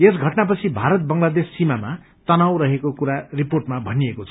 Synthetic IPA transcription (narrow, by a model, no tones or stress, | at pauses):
esɡʱʌʈnap̬ʌt͡sʰibʱaɾʌt̪̚bʌŋlad̪esːimama | t̪ʌnawɾʌɦekokuɾariporʈmabʱʌniekot͡sʰʌ